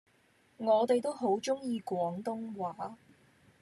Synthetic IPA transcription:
ŋɔː˨˧t̪e˨jt̪o˥wɦo˨˥wt͡ʃʊ˥ŋjiː˨˧kʷwɔː˨˥ŋt̪ʊ˥ŋwaː˨˥

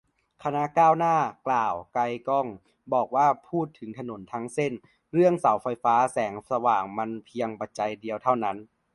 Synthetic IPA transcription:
kʰa˧na˧˥˨kaː˥˩wnaː˥˩klaː˨˩wka˧jkɔː˥˩ŋ | bɔː˨˩k̚waː˥˩pʰuː˥˩t̪ʰːɯ˩˦ŋt̪ʰa˧no˩˦nt̪ʰa˦˥ŋse˥˩n | ɾɯ˥˩əŋsa˩˦wfa˧jfaː˦˥sɛː˩˦ŋsa˧waː˨˩ŋma˧npʰi˧əŋpa˨˧˩t̪̚t͡ɕa˧jdi˧əwt̪ʰa˥˩wna˦˥n

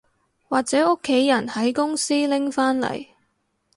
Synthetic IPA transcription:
waː˨k̚t͡sɛː˨˥ʊ˥kʰːe˨˥jːɐ˨˩nhɐ˨˥jkʊ˥ŋsiː˥lɪ˥ŋfaː˥nlɐ̰˨˩j

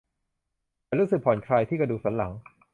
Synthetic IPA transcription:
a˧ɾuː˦˥sɯ˨˩pʰɔː˨˩˦nkʰɾaː˧jt̪ʰiː˥˩kɾa˧duː˨˩k̚sa˩˦nla˩˦ŋ

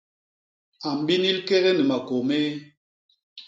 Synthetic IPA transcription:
a˨m˨bi˦ni˦lke˦ɣɛ˦ni˨ma˨ko˨meː˦

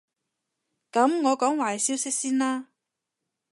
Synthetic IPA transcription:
kɐ˨˥mŋɔː˨˧kɔː˨˥ŋwaː˨˩˨siː˥wsɪ˥k̚siː˥nlaː˥

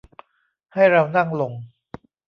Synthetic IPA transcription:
ha˥˩jɾa˧wna˥˩ŋlo˧ŋ

